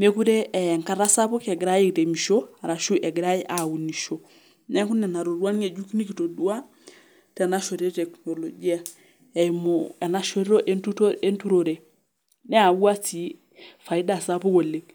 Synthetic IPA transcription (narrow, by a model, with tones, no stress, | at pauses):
me˦ku˦ɾe˦˨ŋka˦ɾa˦sa˦po˦ke˨ɡɾa˦je˦te˨mi˨ʃo˦a˨ɾa˨ʃu˦ʔɛ˨ɡɾa˦ji˦ʔa˨wu˨ni˨ʃo˨ | nɛ˦ŋku˦nɛ˨na˨ɾo˨ɾwa˦ne˨d͡ʒu˦kni˦ki˨to˨du˦a˦ | tɛ˨na˦ʃo˨ɾo˦te˨kno˨lo˨d͡ʒi˦a˦ | ɛ˨imoɛ˨na˦ʃo˦ɾi˦o˦ʔe˦ntu˦te˦ntu˦ɾo˨ɾe˨ | nɛ˦a˨wa˦ti˨ | fa˨i˦da˨sa˦po˦ko˨le˨k